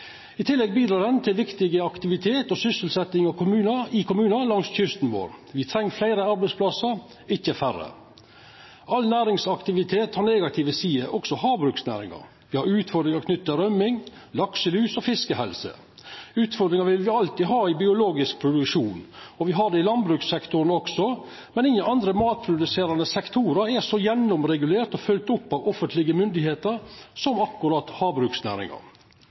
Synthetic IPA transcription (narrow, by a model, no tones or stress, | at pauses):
ɪt̪ʰɪlːɛɡ̚biːd̪ɾɑːd̪ənt̪ʰɪlʋɪkt̪ɪɡəɑkt̪ɪʋɪt̪ʰeːt̪ɔsʏsəl̩sɛt̪ːɪŋɑʋkʰʊmʉːnəɪkʊmʉːnəlɑŋsçʏst̪n̩ʋo̰ːɾʋɪt̪ʰɾɛŋːflæɪɾəɑɾbɛɪspʰlɑsɑɾ | ɪçːəfærə̰ | ʔɑlnæːɾɪŋsɑkt̪ɪʋɪt̪ʰeːt̪hɑɾneːɡɑt̪ʰɪʋəsiːəʔɔksɔhɑːbɾʉːksnæ̰ːɾɪ̰ŋɑ̰ɾ | ʋɪhɑɾʉːt̪fɔd̪ɾɪŋɑɾkʰnʏt̪ːəɾœmːɪŋlɑksəlyːsɔfɪskəhɛlsə̰ | ʉːt̪fɔɾd̪ɾɪŋɑɾʋɪlʋɪɑlt̪iːɦɑːɪbɪʊloːɡɪsk̚pʰɾʊd̪ʉkʂuːnɔʋɪɦɑɖ̪ɛɪlɑnbɾʉːksɛkt̪ʊɾnɔksɔ | mɛnɪŋːənɑnd̪ɾəmɑːt̪̚pʰɾʊd̪ʉseːɾɑnəsɛkt̪ʰuːɾəɾɛsɔjɛnːɔmɾɛɡʉleːɾt̪ɔfʉlt̪ʊpːɑʋɔfənt̪lɪɡəmʏnd̪ɪheːt̪əɾsɔmɑkːʉɾɑt̪hɑːbɾʉːksnæ̰ːɾɪ̰ŋɑ̰ɾ